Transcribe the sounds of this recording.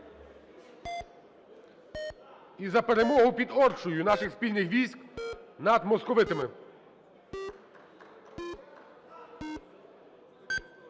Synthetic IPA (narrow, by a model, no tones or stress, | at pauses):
izɐpeɾemɔɦʊpʲid̪ɔrt͡ʃʊjʊnɑʃɪxspʲilʲnɪxʋʲijsʲknɐd̪mɔskɔʋɪt̪ɪmɪ